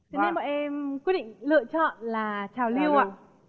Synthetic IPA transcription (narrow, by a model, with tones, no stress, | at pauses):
t͡ɕne˧mɓɔ̰ː˧˨jʔɛ˧mkwi˦˥t̚ɗḭ˧˨ŋlɨ̰˧˨ət͡ɕɔ̰˧˨nlaː˨˩t͡ɕaː˨˩wli˧əwaː˧˨